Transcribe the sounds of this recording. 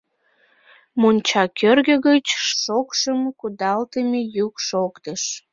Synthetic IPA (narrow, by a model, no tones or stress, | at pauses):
monʲt͡ɕɑkʰørɣəɣət͡ɕʃokʃəmkud̪ɑlt̪əmejukʃokt̪əʃ